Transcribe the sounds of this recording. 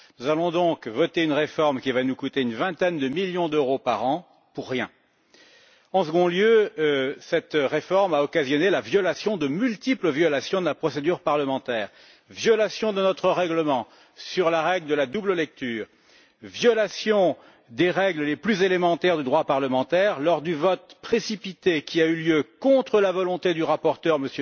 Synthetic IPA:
nuzalɔ̃d̪ɔ̃kvɔt̪eynʁefɔʁmkʲivanukut̪eynvɛ̃t̪ɛnd̪əmiljɔ̃d̪øʁopaʁɑ̃ | puʁːjɛ̃ | ɑ̃səɡɔ̃ljø | sɛt̪ʁefɔʁmaɔkazjɔnelavjɔlasjɔ̃d̪əmylt̪ipləvjɔlasjɔ̃d̪əlapχɔsed̪yʁpaʁləmɑ̃t̪ɛːʁ | vjɔlasjɔ̃d̪ənɔt̪χəʁɛɡləmɑ̃ | syʁlaʁɛɡləd̪əlad̪ubləlɛk̚t̪yːʁ | vjɔlasjɔ̃ | d̪eʁɛɡləleplyzelemɑ̃t̪ɛʁd̪yd̪ʁwapaʁləmɑ̃t̪ɛʁlɔʁd̪yvɔt̪̚pχesipit̪ekʲʰiayljøkɔ̃t̪χəlavɔlɔ̃t̪ed̪yʁapɔʁt̪œʁməsj

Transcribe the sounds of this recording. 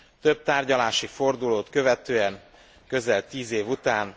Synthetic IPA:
t̪ø̞b̚t̪aːrɟɒlaːʃifo̞rd̪uloːt̪kø̞vɛt̪øːɛŋ | køzɛlt̪iːzeːvut̪aːn

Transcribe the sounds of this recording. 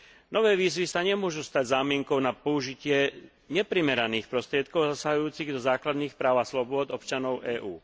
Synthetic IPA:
nɔʋɛːʋiːzʋisaɲɛmʊɔʒust̪aɟzaːmɪɛŋkɔʊnapɔuʒicɪɛ | ɲɛpɾimɛɾaniːxpɾɔst̪ɾɪɛt̪̚kɔʊzasaɦujuːt͡siɣd̪ɔzaːklad̪niːxpɾaːʊaslɔbʊɔd̪ɔp̚t͡ʃanɔʊʔɛːʔuː

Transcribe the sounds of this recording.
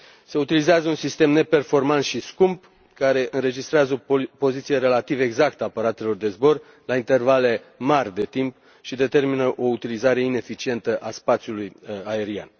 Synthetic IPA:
se̞ut̪ilizeazəunsist̪e̞mne̞pe̞rfo̞rmant̪ʃiskumb | kaɾe̞ʔɨnɾe̞d͡ʒist̪ɾeazəopo̞zit̪sije̞ɾe̞lat̪ive̞ɡzak̚t̪əaːpəɾat̪e̞lo̞rd̪e̞zbo̞r | laint̪e̞rvale̞ | marʲd̪e̞t̪imp | ʃid̪e̞t̪e̞rminəʔo̞ut̪ilizaɾe̞ine̞fit͡ʃie̞nt̪əʔaspat̪sjulujae̞ɾia̰n

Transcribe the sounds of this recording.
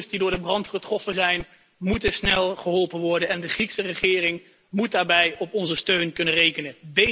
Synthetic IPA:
sdidʊːɹdəbrɑntχətrɔfənzɛjn | mutəsnɛlˠχəɦɔlˠpənʋɔɹdənɛndəχriksərəχɪːrɪŋ | mut̚daːɹbɛjɔpɔnzəstøɥnkɵnənrejkənənde

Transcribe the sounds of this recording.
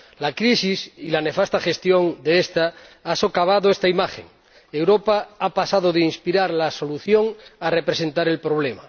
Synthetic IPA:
lakɾisisilane̞fast̪axe̞st̪joŋd̪eest̪aaso̞kaβ̞aðoest̪aimaxḛŋ | ewɾopaapasaðoðeinspiɾaɾlaso̞luθjoŋarepɾese̞nt̪aɾe̞lpɾo̞β̞lema̰

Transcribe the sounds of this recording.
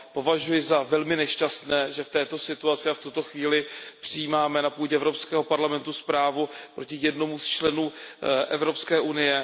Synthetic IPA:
po̞vaʒujɪzavɛlmɪnɛʃcast̪nɛːʒɛft̪ɛːt̪o̞sɪt̪uat͡sɪaft̪ut̪oxviːlɪpr̝̥ɪjiːmaːmɛnapuːɟɛʔɛvɾopskɛːɦo̞paɾlamɛnt̪uspɾaːvupɾʔo̞cɪjɛdno̞must͡ʃlɛnuːʔɛvɾo̞pskɛːʔunɪjɛ

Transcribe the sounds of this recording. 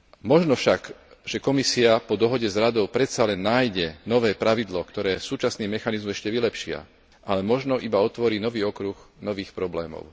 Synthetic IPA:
mɔʒnɔfʃakʒ̥ɛkɔmisiapɔd̪ɔɦɔɟɛzɾad̪ɔʊpɾɛt̪salɛnːaːjɟɛnɔʋɛːpɾaʋid̪lɔkt̪ɔɾɛːsuːt͡ʃasniːmɛxanizmuɛʃcɛʋilɛpʃɪa̰ | ʔalɛmɔʒnɔʔibaɔt̪ʋɔɾiːnɔʋiːɔkɾuxnɔʋiːxpɾɔblɛːmɔ̰ʊ

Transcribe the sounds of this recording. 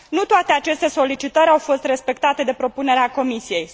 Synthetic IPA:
nut̪oat̪e̞at͡ʃe̞st̪e̞so̞lit͡ʃit̪əɾʲawfo̞st̪re̞spe̞kt̪at̪e̞d̪e̞pɾo̞pune̞ɾeako̞misije̞j

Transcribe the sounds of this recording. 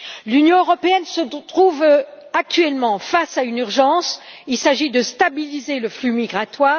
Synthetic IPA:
lynjɔ̃øʁɔpeɛnsət̪χuv | ak̚t̪ɥɛlmɑ̃fasaynyʁʒɑ̃silsaʒid̪əst̪abilizeləflymiɡʁat̪waː

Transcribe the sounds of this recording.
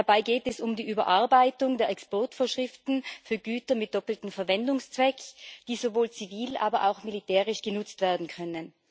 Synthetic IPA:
abaɪɡeːtɛsʊmdiːʔyːbɐʔaɐbaɪtʊŋdeːɐɛkspɔɐtfoːɐʃʁ̥ɪftn̩fyːɐɡyːtɐmɪt̚d̥ɔpl̩tn̩fɛɐvɛndʊŋst͡sv̥ɛkd̥iːzovoːlt͡siviːlʔa̰ːbɐʔa̰ʊxmilitʰɛːʁɪʃɡ̥ənʊt͡stv̥eːɐdn̩kʰœnən

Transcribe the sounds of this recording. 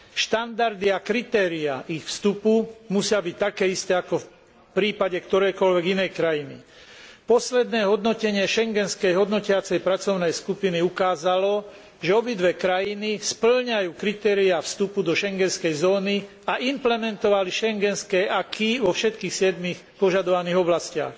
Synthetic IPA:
ʃt̪and̪aɾd̪iakɾit̪ɛːɾiaʔixfst̪upumusɪabic̚t̪akɛːist̪ɛːakɔf | pɾiːpaɟɛkt̪ɔɾɛjkɔlʋɛɡinɛjkɾajinḭ | pɔslɛd̪nɛːɦɔd̪nɔcɛɲɪɛʃɛŋɡɛnskɛjɦɔd̪nɔcɪat͡sɛjpɾat͡sɔʊnɛjskupiniukaːzalɔ | ʒɛɔbid̪ʋɛkɾajinispl̩ɲajuːkɾit̪ɛːɾiafst̪upud̪ɔʃɛŋɡɛnskɛjzɔːni | aʔimplɛmɛnt̪ɔʋaliʃɛŋɡɛnskɛʔakʰiʋɔfʃɛt̪kiːxsɪɛd̪mixpɔʒad̪ɔʋaniːɣɔblascɪa̰x

